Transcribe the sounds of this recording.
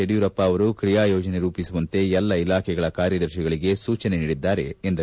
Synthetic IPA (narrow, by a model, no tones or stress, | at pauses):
eɽijuɾɐpːaːʋɐɾukɾijaːjɔːd͡ʒɐne̞ɾuːpisuʋɐnt̪e̞ɛlːɐilaːkʰɛɡɐɭɐkaːɾjɐd̪ɐɾʃiɡɐɭiɡe̞suːt͡ʃɐne̞niːɽid̪ːaːɾe̞ːnd̪ɐ